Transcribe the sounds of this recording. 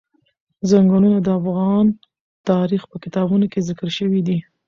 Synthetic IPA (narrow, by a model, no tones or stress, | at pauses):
zaŋɡɑnunad̪əafɣɑn | t̪ɑɾixpəkɪt̪ɑbunokezɪkəɾʃəwid̪i